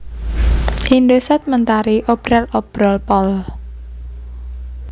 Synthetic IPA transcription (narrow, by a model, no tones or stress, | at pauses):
ʔindosɛt̪̚mənt̪aɾiʔob̥ɾalob̥ɾɔlpɔl